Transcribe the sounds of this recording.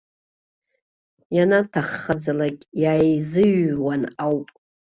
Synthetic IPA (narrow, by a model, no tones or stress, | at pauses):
janatʰaχːad͡zalakʲʼjaːjzɨɥwanawpʼ